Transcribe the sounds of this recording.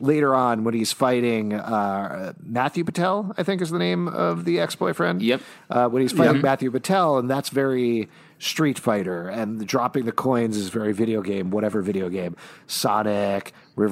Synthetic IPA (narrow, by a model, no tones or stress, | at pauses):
leɪɾə˞ɑ̃nwə̃niz̥faɪɾɪ̃ŋ | mæθjʉpɨtʰɛlˠaɪθɪ̃ŋkɨzðənẽɪ̃mʌ̰vðiɛksb̥ɔɪfɹɛ̃nd̥jɛ | ʔwə̃niz̥faɪɾɪ̃ŋmæθjʉpɨtʰɛlˠə̃nðætsvɛɹi | stɹ̥itfaɪɾə˞ɨ̃ndɹɑpɪ̃ŋðɨkʰɔ̃ɪ̃nzɨzvɛɹivɪɾioʊɡẽɪ̃mwʌɾɛvə˞vɪɾioʊɡẽɪ̃msɑnɪk | ɹɪv